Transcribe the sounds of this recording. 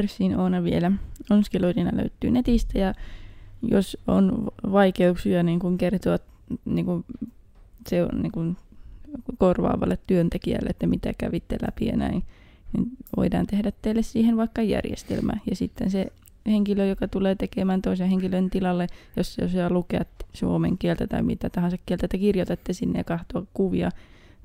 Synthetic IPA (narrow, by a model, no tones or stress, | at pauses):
rsːiːnoːnɑʋielæonskeloilinɑlø̰yt̪ːy̰ːnet̪ist̪æjɑ | joso̰nʋɑikeuksiɑniːŋkuŋkert̪oɑt̪ | niːŋkun | seo̰nniːŋkun | korʋɑ̰ːʋɑ̰lːet̪tyønt̪ekiæ̰lːḛet̪ːæmit̪ækæʋit̪ːḛlæ̰pḭɑ̰næin | nḭnʋo̰idɑ̰ːnt̪ehdæt̪teilːessiːhenʋɑikːɑjæ̰rjḛst̪ḛlmæ̰jɑsit̪ːḛnse | heŋkiløjokɑt̪uleːt̪ekemæːnt̪oiseheŋkilønt̪ilɑlːejosːo̰sɑlukeɑt̪suomḛŋkielt̪æt̪ɑimit̪æt̪ɑhɑnsɑkkielt̪æt̪ːækirjot̪et̪ːesinːḛjɑkɑht̪oɑkkuʋiɑ